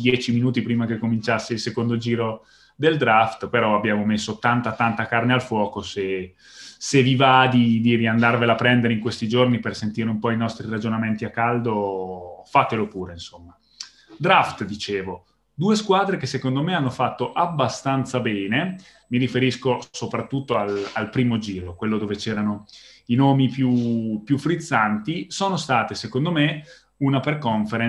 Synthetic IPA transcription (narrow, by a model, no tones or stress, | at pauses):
d̪jɛːt͡ʃiminuːt̪ipɾiːmakekːomint͡ʃasːeilsekond̪od͡ʒiːɾo | d̪eld̪ɾaft̪peɾɔabːjaːmomesːot̪ant̪at̪ant̪akarnealfwɔːkose | sevivad̪id̪iɾiand̪arvelapːɾɛnd̪eɾeiŋkwest̪id͡ʒornipersent̪iːɾeumpɔinɔst̪ɾirad͡ʒonament̪iakːald̪o | fat̪elopuːɾeinsomːa | d̪ɾaft̪d̪it͡ʃeːvo | d̪uːeskwaːd̪ɾekesːekond̪omeanːofat̪ːoʔabːast̪ant̪sabɛːne | miɾifeɾiskosopɾat̪ːut̪ːoalalpɾiːmod͡ʒiːɾokwelːod̪oːvet͡ʃɛːɾanoinoːmipjupjufːɾit̪sːant̪isoːnost̪aːt̪esekond̪ome | unaperkoɱfeɾe